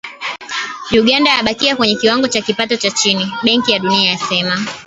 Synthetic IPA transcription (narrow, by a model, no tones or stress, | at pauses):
juɠandaːɓakiakwɛɲɛkiwaŋɡɔt͡ʃakipatɔt͡ʃat͡ʃiniɓɛŋkijaɗuniajasɛma